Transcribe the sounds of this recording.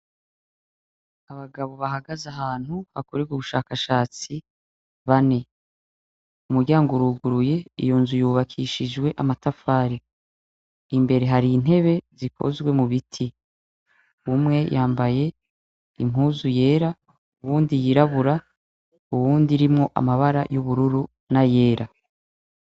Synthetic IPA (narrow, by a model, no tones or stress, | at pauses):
aβaɡaβo̞βaɦaɡazaɦaːn̥huβa̰kuɾiɡuβuʃaːkaʃaːt͡si | βane̞ | umuɾɟaːŋɡuɾuːɡuɾuje̞ḭjoːnzujuβakʰiʃid͡ʒɡwe̞ʔamatafaːɾi | imbe̞ɾe̞ɦaɾiːn̥ɦe̞βe̞zikʰo̞̰zɡwe̞muβitʰi | umŋe̞jʔaːmbaje̞ | ḭmɦuːzuje̞ːɾa | uβuːndijiɾaβuɾa | uβuːndiɾimŋo̞ʔa̰maβaɾa̰juβuɾuɾu | naje̞ːɾa